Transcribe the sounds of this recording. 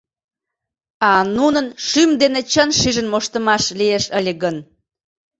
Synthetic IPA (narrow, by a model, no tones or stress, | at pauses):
ɑnunənʃymd̪enet͡ɕənʃiʒənmoʃt̪əmɑʃlieʃəlʲeɣən